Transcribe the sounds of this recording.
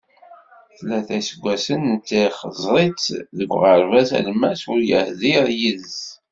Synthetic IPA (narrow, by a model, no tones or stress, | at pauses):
θlːæθæsəɡʷːæsənt͡sːiχəzˤɾˤit͡sðəɡʷʁəɾˤvæsæ̰lmæsʊɾjəhðiɾjiðz